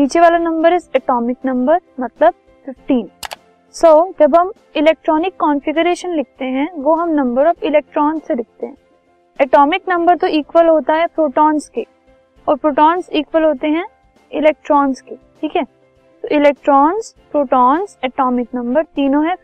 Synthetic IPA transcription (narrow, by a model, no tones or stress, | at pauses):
niːt͡ʃeʋaːlanɐ̃mbəɾɪsɛːʈɔːmɪknɐ̃mbəɾmɐt̪ləb̚ | fɪfʈiːn | soːd͡ʒɐbʱɦɐm | ɪleːk̚ʈɾɔːnɪkːɔːnfɪɡʊɾeːʃənlɪk̚ʰt̪eɦɛ̃ʋoɦɐmnɐ̃mbəɾɔːfɪlɛːk̚ʈɾɔːnzselɪk̚ʰt̪eɦɛ̃ | ɛʈɔːmɪknɐ̃mbəɾt̪oʔiːkʋəlɦoːt̪aɦɛpɾoːʈɔːnske | ɔːɾpɾoːʈɔːnziːkʋəlɦoːt̪eɦɛ̃ | ɪleːk̚ʈɾɔːnzkeʈʰiːkɦɛː | t̪oʔɪlɛːk̚ʈɾɔːnzpɾoːʈɔːnzɛːʈɔːmɪknɐ̃mbəɾt̪iːnõɦɛ